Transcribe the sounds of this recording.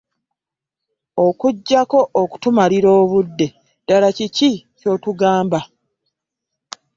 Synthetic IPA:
o̞kuɟːako̞ʔoku̥tumaliɾo̞ːβudːe̞ | d̥alacicico̞ːtuɡaːmba

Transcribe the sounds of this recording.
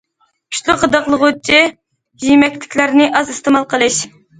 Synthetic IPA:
pʰy̥ʃlˠʊχəd̪ɑqlˠəʁʊt͡ʃʰi | jimɛkʲlɪkʲlæɾnɪʔɑzɨst̪ʰɨmɑlˠqʰəlˠɨʃ

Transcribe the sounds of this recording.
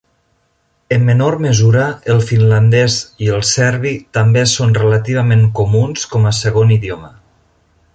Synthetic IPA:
əmːənorməzuɾəəlˠfinland̪ɛziəlˠsɛɾβ̞it̪ambesonrələt̪iβ̞əmeŋkomunskɔməsəɣ̞oniðjomə

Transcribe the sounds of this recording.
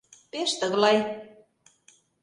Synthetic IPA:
peʃt̪əɣlɑj

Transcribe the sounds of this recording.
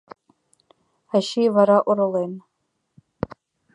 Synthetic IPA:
aʃijvaɾaʔʷʊɾɨlejn

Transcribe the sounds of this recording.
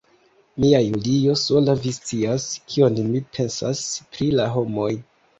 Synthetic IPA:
miajulijo̞so̞lavist͡siaskʰio̞nmipʰe̞nsa̰spɾilaɦo̞mo̞j

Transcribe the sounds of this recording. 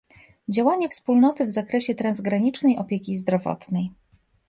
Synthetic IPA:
d͡ʑawaɲɛfspulnɔt̪ɘvzakɾɛɕɛt̪ɾanzɡɾaɲit͡ʂnɛjʔɔpʲjekʲizd̪ɾɔvɔ̰t̪nɛj

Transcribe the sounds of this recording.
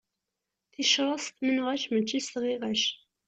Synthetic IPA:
θiʃɾˤɑsˤt̪mənʁæʃmət͡ʃːist̪ʁiʁæʃ

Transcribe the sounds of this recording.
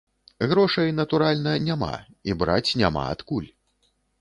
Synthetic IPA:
ɣɾɔʂɐjnɐt̪uɾalʲnɐnʲama̰ | ibɾat͡sʲnʲama̰a̰t̪kulʲ

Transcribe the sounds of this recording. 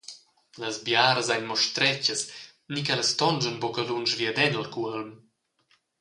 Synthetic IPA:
ləzbjaːɾəzajnmɔʃt̪ɾɛt͡ɕəs | nikɛləst̪ɔnd͡ʒənbɔkəlunʃvjəd̪ɛnəlkuəlm

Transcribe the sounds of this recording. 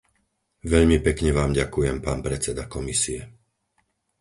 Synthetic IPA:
ʋɛʎmipɛkɲɛʋaːmɟakujɛmpaːnpɾɛt͡sɛd̪akɔmisiɛ

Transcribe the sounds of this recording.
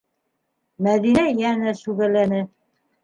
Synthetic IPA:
mæðinæjænæʃʉɣælænɘ

